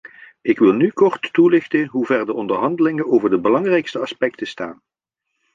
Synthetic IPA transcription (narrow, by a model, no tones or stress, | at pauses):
ɪkʋɪlˠnykɔɹtːulɪχtənɦuvɛɹdəʔɔndəɹɦɑndəlɪŋənowvəɹdəbəlɑŋrɛjkstəɑspɛktəstaːn